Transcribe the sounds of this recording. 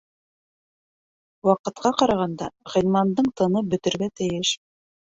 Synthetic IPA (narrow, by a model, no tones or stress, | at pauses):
wɑqɤ̆t̪̚qɑqɑɾɑʁɑnd̪ɑʁɤ̆nmɑnd̪ɤɴt̪ɤ̆nɤbɵ̆t̪ɘ̆ɾɡæt̪ɘ̆jɘʃ